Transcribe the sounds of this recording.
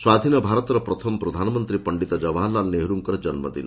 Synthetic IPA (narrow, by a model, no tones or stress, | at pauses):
swad̪ʱinɔbʱaɾɔt̪ɔɾɔpɾɔt̪ʰɔmɔpɾɔd̪ʱanɔmɔnt̪ɾipɔɳɖit̪ɔd͡ʒɔbalaneɦɾuŋkɔɾd͡ʒɔnmɔ̰d̪ḭnɔ